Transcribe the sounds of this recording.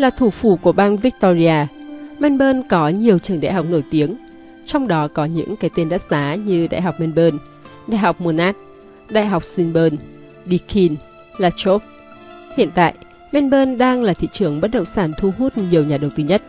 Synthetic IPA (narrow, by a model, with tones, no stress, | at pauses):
laː˨˩t̪ʰu˧˩fu˧˩ku˧˩əɓaː˧nvi˦˥k̚t̪ɔ˧zi˧aː˧mɛ˧nɓəː˧nkɔ˨˦ɲi˨˩əwt͡ɕəː˨˩ŋɗa̰˧˨jɦa˨˩wk͡p̚no˧˩jt̪i˨˦əŋ | t͡ɕɔ˧wŋ͡mɗɔ˨˦kɔ˨˦ɲɨ̰˧˥ŋkaː˨˦jt̪e˧nɗaː˦˥t̚zaː˨˦ɲɨ˧ɗa̰ː˧˨jɦa˨˩wk͡p̚mɛ˧nɓəː˧n | ɗa̰ː˧˨jɦa˨˩wk͡p̚mu˧˩naː˦˥t̚ | ɗa̰ː˧˨jɦa˨˩wk͡p̚swi˧nɓəː˧n | ɗi˧kʰi˧n | laː˧t͡ɕo˦˥p̚ | hḭ˧ənt̪a̰ː˧˨jʔ | mɛ˧nɓəː˧nɗaː˧ŋlaː˨˩t̪ʰḭ˧˨t͡ɕɨ˨˩əŋɓə˦˥t̚ɗə̰˧˨wŋ͡msaː˧˩nt̪ʰu˧ɦu˦˥t̚ɲi˨˩əwɲaː˨˩ɗə˨˩wt̪ɨː˧ɲə˦˥t̚